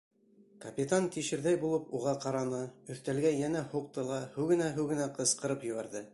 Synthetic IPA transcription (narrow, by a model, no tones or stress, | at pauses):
kɐpʲit̪ant̪iʃɘ̆ɾðæjbulˠɤpuʁɑqɑɾɑnɤɵ̆θt̪ælɡæjænæhuq̚t̪ɤlˠɑhʉwɡɘ̆næɦɘwɡɘ̆næqɤ̆sqɤ̆ɾɤpjɵ̆βæɾðɘ